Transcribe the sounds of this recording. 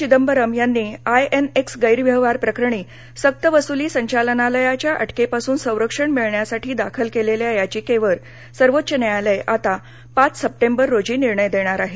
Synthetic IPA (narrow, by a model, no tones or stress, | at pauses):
t͡ɕid̪əmbəɾəmjanːiːajeneksɡəjɾʋjəʋaɾpɾəkɾəɳiː | sək̚t̪əʋəsuliːsəɲt͡ɕalənaləjat͡ɕjaʔəʈʰkepasuːnsə̃w̃ɾəkʂəɳmiɭɳjasaʈiːd̪akʰəlkeleleəjat͡ɕiːkeʋəɾ | səɾʋot̪ːɕənajaləjʔat̪a | pat͡ssəp̚ʈembəɾːod͡ʑiːniɾɳəjd̪eɽ̃aɾaɦe